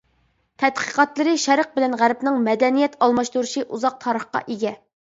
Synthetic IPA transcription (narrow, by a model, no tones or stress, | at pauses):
t̪ʰɛt̪̚qʰə̥qɑt̪lˠɨɾɨʃɛɾəq̚bɪlɛnʁæɾpnɪŋmɛd̪ɛnijɛt̪ʰɑlˠmɑʃt̪uɾʃiʔuzɑq̚t̪ʰɑːɾəχqɑ̰ʔeɡʲɛ